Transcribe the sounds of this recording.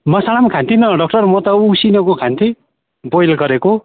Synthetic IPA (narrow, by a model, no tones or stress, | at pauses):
mʌsalamkʰãnt̪ʰinʌɖʌk̚ʈʌrmʌt̪ʌusinʌkokʰãnt̪ʰi | bojlɡʌɾeko